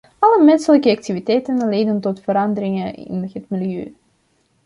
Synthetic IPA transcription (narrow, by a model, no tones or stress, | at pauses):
ɑləmɛnsələkəɑk̚tivitɛjtənlɛjdəntɔtfəɾɑndəɾɪŋənɪ̰nɦətmɪlˠjøː